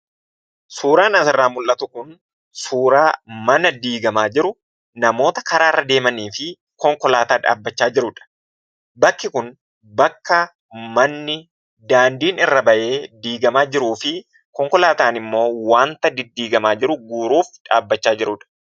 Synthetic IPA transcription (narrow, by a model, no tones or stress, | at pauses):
suːɾaːnɐsɪrːaːmʊlʔɐt̪ʊkʊn | suːɾaːmɐnɐd̪iːɡɐmaːd͡ʒɪɾʊ | nɐmo̞ːt̪ɐkɐɾaːɪrːɐd̪e̞ːmɐniːfɪ | kɔŋkɔlaːt̪aːᶑa̰ːbːɐt͡ʃːaːd͡ʒɪɾʊᶑɐ̥ | bɐkːɪkʊn | bɐkːɐ | mɐnːɪ | d̪aːnd̪iːnɪrːɐbɐʔe̞ːd̪iːɡɐmaːd͡ʒɪɾuːfɪ | kɔŋkɔlaːt̪aːnɪmːo̞ːwaːnt̪ɐd̪ɪd̪ːiːɡɐmaːd͡ʒɪɾʊɡuːɾuːfᶑa̰ːbːɐt͡ʃːaːd͡ʒɪɾʊᶑɐ̥